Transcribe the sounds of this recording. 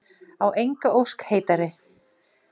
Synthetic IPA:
awʔejŋkaowskhejt̪aɾɪ

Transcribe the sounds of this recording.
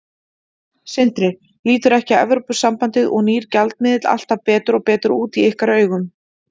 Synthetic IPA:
sɪn̥t̪ɾɪ | liːt̪ʏɾɛhcɪɛ̰vɾɔpʏ̥sampant̪ɪðɔɣniːɾcalt̪̚mɪðɪt̪la̰l̥t̪avpɛːt̪ʏɾɔɣpɛːt̪ʏɾuːt̪iɪhkaɾœːɥɣʏm

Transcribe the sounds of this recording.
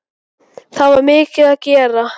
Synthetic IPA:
θaðvaɾmɪːcɪðaðcɛːɾa

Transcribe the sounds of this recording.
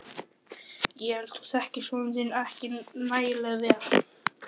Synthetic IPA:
jɛɛlt̪ʰu̥sɛhcɪsɔnt̪ɪnahcɪnajlɛɣðɛa

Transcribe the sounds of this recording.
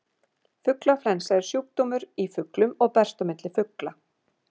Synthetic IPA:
fʏklaflɛnsaɪɾ̥sjuːk̚t̪ɔmʏɾifʏklʏmɔɣpɛr̥st̪œmɪt̪lɪfʏkla

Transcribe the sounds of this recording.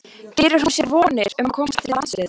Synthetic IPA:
t̪ɪːɾʏɾ̥amsjɛɾvɔːnɪɾʏmkʰɔmst̪ʰɪllansvɪɾ

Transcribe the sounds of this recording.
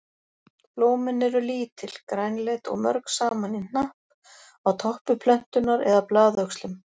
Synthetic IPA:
ploːwmɪnɛɾʏliːt̪ʰɪl̥kɾajnlet̪ɔ̰ɣmœ̰ɾksaːmanin̥ahp | awt̪ʰɔhpʏpʰlœn̥t̪ʏnaɾɛðaplaːðœkslʏm

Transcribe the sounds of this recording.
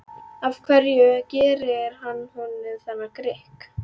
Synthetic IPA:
avkʰvɛɾjʏcɛːɾɪɾ̥ɦanːhunɪnθanːakɾɪhk

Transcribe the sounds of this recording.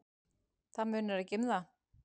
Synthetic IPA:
θamʏːnʏɾacɪmða

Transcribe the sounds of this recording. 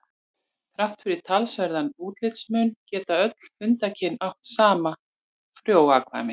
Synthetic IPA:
θɾaft̪fɪɾɪɾ̥t̪ʰalsvɛɾðanuːt̪lɪt̪smʏncɛːt̪aœt̪l̥ʏnt̪acʰɪnaht̪saːma | fɾjoːwaːkʰva̰mɪ

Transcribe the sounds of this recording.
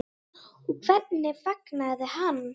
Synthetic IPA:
ukʰv̥ɛrnɪfaknaðɪhanː

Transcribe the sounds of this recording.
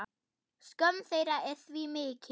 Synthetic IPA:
skœnθejɾaʔɛ̥θvimɪːcʰ

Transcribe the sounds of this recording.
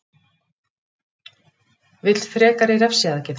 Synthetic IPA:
vɪt̪l̥t̪fɾɛːkaɾɪɾɛfsjaðɛcɪθ

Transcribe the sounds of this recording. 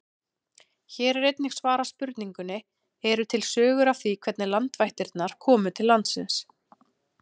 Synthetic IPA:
çɛːɾɛɾejt̪nɪxsvaːɾaspʏɾt̪niŋkʏnɪ | ɛɾʏt̪ʰɪlsœːɣʏɾav̥θikʰvɛt̪nɪlant̪vajht̪ɪɾt̪naɾ̥kʰɔːmʏt̪ʰɪlːant̪sɪ̰ns

